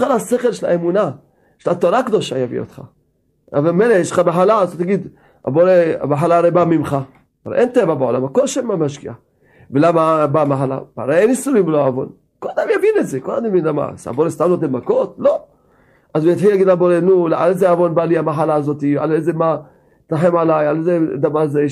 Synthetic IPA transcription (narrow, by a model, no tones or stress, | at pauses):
alaseχelʃela̰emuna | ʃelat̪oɾakd̪o̞ʃajavḭo̰t̪χa̰ | vemmejlejeʃleχamaɦalazot̪aɡid̪ | a̰boɾea̰maɦalaːɾebamimχa | aɾḛʔent̪evabeolamakolʃemamaʃkḭa | velamabamaħala̰baɾeenisuimvloaːvo̞̰n | kolad̪amjavinetzekolad̪amjavinlama̰sa̰boɾest̪amlot̪emako̞t̪lo̞ | ʔazujat̪ħilaɡidabo̞ɾenulʔalezeavo̞nbaliamaħalaːzo̞t̪ia̰lejzema | t̪aħemʕalajalzed̪avaɾze